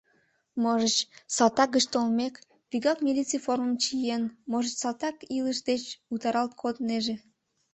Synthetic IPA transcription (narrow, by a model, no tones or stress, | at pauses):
moʒət͡ɕsɑlt̪ɑk̚ɡəʃt̪olmek | pʲiɡɑkmʲilʲit͡sijforməmt͡ɕijenmoʒət͡ɕsɑlt̪ɑkiləʃd̪et͡ɕut̪ɑɾɑlt̪̚kʰod̪neʒe